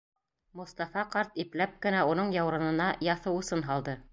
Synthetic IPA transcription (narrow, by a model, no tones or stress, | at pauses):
mŏst̪ɑfɑqɑɾt̪iplæp̚kɘ̆næunɤɴjɑwɾɤ̆nɤ̆nɑjɑθɤwŭsɤnɦɑlˠd̪ɤ